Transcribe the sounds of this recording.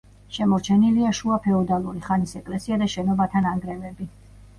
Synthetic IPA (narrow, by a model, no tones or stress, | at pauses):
ʃɛmɔɾt͡ʃʰɛniliaʃuapʰɛɔd̪alˠuɾiχanisɛkʼlɛsiad̪aʃɛnɔbat̪ʰanaŋɡɾɛvɛbi